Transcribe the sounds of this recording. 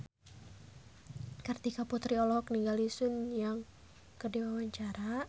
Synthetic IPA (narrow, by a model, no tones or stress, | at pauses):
kərt̪ikaput̪ɾiɔlɔhɔkəniŋɡalisʊnjaŋ | kərdiwawaɲt͡ʃaɾa